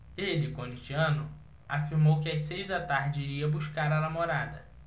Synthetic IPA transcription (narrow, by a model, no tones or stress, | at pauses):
elɪkõnit͡ʃiɐ̃nʊ | afiɾmowkɪasejʒd̪ɐt̪aɾd͡ʒɪiɾiɐbuʃkaɾɐnamoɾad̪ɐ